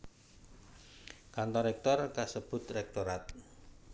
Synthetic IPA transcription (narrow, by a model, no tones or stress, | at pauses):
kant̪ɔɾɛk̚t̪ɔrkasəb̥ʊ̤t̪rɛk̚t̪oɾat̪̚